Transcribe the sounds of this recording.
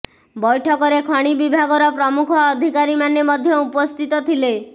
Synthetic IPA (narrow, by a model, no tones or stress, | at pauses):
bɔjʈʰɔkɔɾekʰɔɽ̃ibibʱaɡɔɾɔpɾɔmukʰɔːd̪ʱikaɾimanemɔd̪ʱjɔupɔst̪ʰit̪ɔt̪ʰile